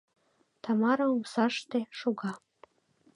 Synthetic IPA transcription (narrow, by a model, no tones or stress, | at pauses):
t̪ɑmɑɾɤ̆musɑʃt̪eʃuɣɑ